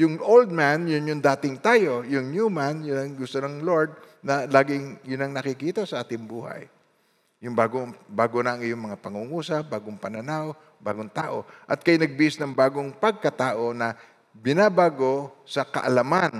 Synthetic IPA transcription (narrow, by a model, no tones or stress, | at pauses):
jʊŋʔowld̪̚manjʊnjʊŋd̪aːt̪ɪŋt̪aːjo̞jʊŋnjumanjʊnɐŋɡʊst̪onɐŋloɹd̪̚nɐlaːɡɪŋjʊnɐŋnɐkɪkiːt̪ɐsɐʔaːt̪ɪŋbuːhɐ̰jː | ʊŋbaːɡobaːɡonɐʔɐŋɪjoŋmɐŋapɐŋuŋuːsɐbaːɡoŋpɐnɐnaw | ba̰ːɡoŋt̪aːʔo̞ʔɐt̪̚kɐjnɐɡ̚bɪɪsnɐŋbaːɡoŋpɐɡ̚kɐt̪aːʔo̞nɐ | bɪnabaːɡo̞sɐkɐ̰ʔɐlaman